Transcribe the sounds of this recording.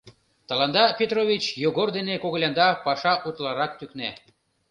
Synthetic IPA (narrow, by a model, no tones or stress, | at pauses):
t̪ɑlɑnd̪ɑpʲet̪rovʲit͡ɕjoɣord̪enekoɣlʲɑnd̪ɑpɑʃɑʔut̪lɑɾɑk̚t̪ykne